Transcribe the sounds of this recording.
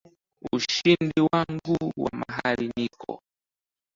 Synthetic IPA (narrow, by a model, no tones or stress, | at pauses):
uʃindiwaŋɡuwamaɦalinikʰɔ̰